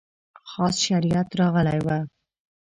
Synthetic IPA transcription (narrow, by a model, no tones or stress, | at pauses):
xɑsʃaɾijat̪ɾɑɣəlajwa